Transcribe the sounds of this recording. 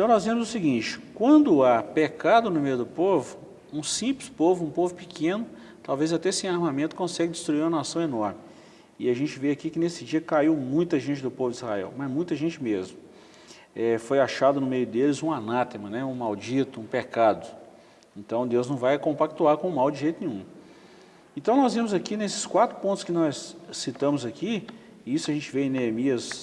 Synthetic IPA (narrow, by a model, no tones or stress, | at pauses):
ẽt̪ɐ̃w̃nɔzlẽmʊzʊsiɡĩt͡ʃɪ̥kwɐ̃nd̪ʊapekad̪ʊnʊmejʊd̪ʊpovʊ | ũsĩplɪspovʊũpovʊpɪkʰẽnʊ | t̪awvezat̪ɛsẽj̃aɾmamẽnt̪ʊkõsɛɡɪd͡ʒɪst̪ɾuiɾũm̃ɐnasɐ̃w̃enɔɾmɪ | ɪaʒẽnt͡ʃɪveakikɪnesɪd͡ʒiɐkaiwmũj̃t̪ɐʒẽnt͡ʃɪd̪ʊpovʊd͡ʒizha̰ɛ̰wmɐzmũj̃t̪ɐʒẽnt͡ʃɪmezmʊ | ɛfojaʃad̪ʊnʊmejʊd̪elɪzũanat̪emɐnɛũmawd͡ʒit̪ʊũpekad̪ʊ | ẽnt̪ɐ̃w̃d̪ewznɐ̃w̃vajkõpak̚t̪uaɾkõʊmawd͡ʒɪʒejt̪ʊnĩɲũ | ẽt̪ɐ̃w̃nɔzvimʊzakinesɪ̥skwat̪ɾʊ̥põt̪ʊ̥skɪnɔsːit̪ɐ̃mʊzaki | isʊɐʒẽnt͡ʃɪveẽneemiɐs